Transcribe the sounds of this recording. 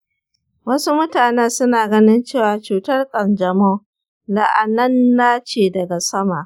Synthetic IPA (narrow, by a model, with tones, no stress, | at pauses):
wɐ˦su˦mʊ˦taː˨ne˦sʊ˦naː˨ɡɐ˦nɪ˦nt͡ʃeː˦˨waː˨t͡ʃuː˨tɐ˦rkʼɐ˨nd͡ʒɐ˨mɔ˦ | la̰˨ʔa˨nɐ˦nːaː˦t͡ʃeː˨dɐ˨ɡa˨sɐ˦ma˨ʔ